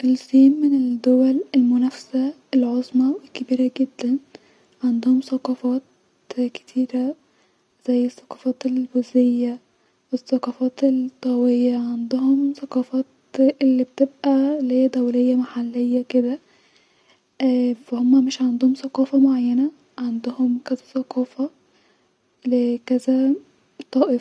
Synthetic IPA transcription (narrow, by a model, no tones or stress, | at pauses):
ʔelsˤiːmːened̪ːowælelmonæfsæ | elʕozˤmɑwekebiːɾæɡed̪ːæn | ʕand̪ohomsɑqɑːfɑːt̪̚ | ke̥t̪ʰiːɾæ | z̥æjːesːɑ̥qɑfɑːt̪elbozejːæ | wesːɑqɑːfɑːt̪elt̪ˤːɑwejːæʕand̪ohomsɑqɑːfɑːt̪ | ʔelːibet̪ebʔæleːd̪æwlejːæmaħalːejːæked̪æ | fæhomːæmeʃʕand̪ohomsɑqɑːfɑmoʕajːænæ | ʕand̪ohomkæzæsɑqɑːfɑ | lekæzæ | t̪ˤɑːʔef